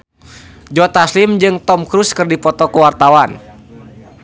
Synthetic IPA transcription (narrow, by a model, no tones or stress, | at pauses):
d͡ʒɔt̪aslimd͡ʒɨŋt̪ɔmkɾuskɨrdipɔt̪ɔkuwart̪awan